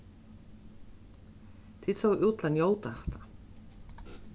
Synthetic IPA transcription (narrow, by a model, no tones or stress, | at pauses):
t̪ʰit̪sowʔuːt̪lanjoːwt̪aɛt̪ḁ